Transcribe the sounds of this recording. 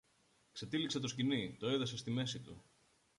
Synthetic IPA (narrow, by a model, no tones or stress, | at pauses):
kset̪ilikset̪oscinit̪o̞eðɐsest̪ime̞sit̪u